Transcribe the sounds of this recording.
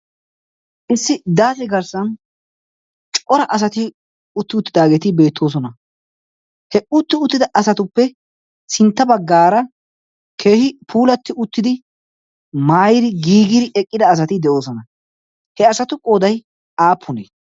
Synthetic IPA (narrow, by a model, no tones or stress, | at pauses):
ʔɪsːɪd̪aːsɪɡɐɾsɐn | t͡ʃʼɔɾɐʔɐs̬ɐt̪ɪ | ʊt̪ːɪʊt̪ːɪd̪aːɡe̞ːt̪ɪbe̞ːt̪ʰːo̞ːs̬ɔnɐ | hɛʊt̪ːɪʊt̪ːɪd̪ɐʔɐsɐt̪ʊpːɛ | sɪnt̪ːɐbɐɡːaːɾɐ | kʰe̞ːhɪpʰuːlɐt̪ːɪʊt̪ːɪd̪ɪ | maːjɪd̪ɪɡiːɡɪd̪ɪʔɛkʼːɪd̪ɐːs̬ɐt̪ɪd̪ɛo̞ːsɔnɐ | hɛɐsɐt̪ʊkʼoːd̪ɐj | aːpʰːʊnḛː